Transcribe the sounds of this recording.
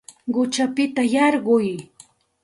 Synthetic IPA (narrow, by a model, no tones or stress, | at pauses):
ɢʊt͡ʃapɪt̪ajɑɾɢʊj